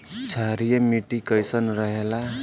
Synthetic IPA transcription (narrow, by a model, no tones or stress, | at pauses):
t͡sʰaɾijʌmiʈikʌjsʌnrʌɦela